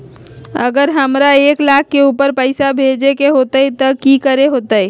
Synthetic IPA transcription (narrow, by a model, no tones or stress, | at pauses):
ə̰ɡəɾɦəmɾaeːklaːkʰːeuːpəɾpəɪsabʱed͡ʒekeɦoːt̪əit̪ɔkikəɾeɦoːt̪əe